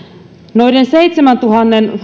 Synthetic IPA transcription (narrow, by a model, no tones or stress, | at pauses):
noidenseit̪ʲsʲemænt̪uhɑnːen